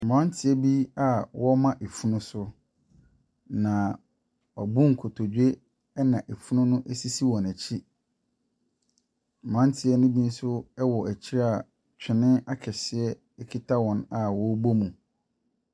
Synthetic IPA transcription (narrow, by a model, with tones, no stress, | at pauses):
m˨ã˦n˦tʰɪ˨˦ɛ˦bi˦a˨wɔ˦mã˦ʔe˨fu˦nʊ̃˦sʊ˦ | nã˨ | ɔ˨bũ˦ŋ̩˨kʰo˨tʰo˨d͡ʑᶣe˦ | ɛ˦nã˨ʔe˨fu˦nʊ̃˦nʊ̃˦ʔsi˦si˦wɔ̃˨næ˨t͡ɕʰi˦˨ | m˨ã˦n˦tʰɪ˨ɛ˦nʊ̃˦bĩ˦n̩˦sʊ˦ɛ˦wɔ˨ʔæ˨t͡ɕʰi˦ɾa˨ | t͡ɕᶣʰɪ˨nɪ̃˦a˦kʰɛ˨sɪ˨ɛ˦ | ɛ˦kʰi˦tʰa˦wɔ̃˨na˨wɔ˦bo˦mũ˨